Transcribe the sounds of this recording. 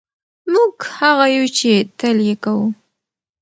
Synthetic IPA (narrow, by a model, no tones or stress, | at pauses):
mʊkhɑɢɑjʊt͡ʃɪt̪aljakaw